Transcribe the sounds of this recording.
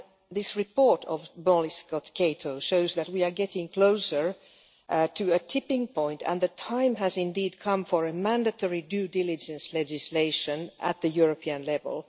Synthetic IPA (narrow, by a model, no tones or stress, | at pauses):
ðɪsɹɨpɔɹtʰɔvbɔlɪskɔtkʰeɪtʰoʊʃoʊzðɨt̚wiə˞ɡɛtɪ̃ŋkʰl̥oʊsə˞ | tʰɨɨtʰɪpɪ̃ŋpʰɔ̃ɪ̃ntʰɨ̰̃nðɨtʰãɪ̃mæzɪ̃ndiːd̚kʰʌ̃ɱfəɹɨmæ̃ndɨtʰɔɹidʉːdɪlˠɪd͡ʒɨ̃nslɛd͡ʒɪsleɪʃə̃nʔæ̰t̪̚ðɨjuɹəpʰiɨ̃nlɛvə̰lˠ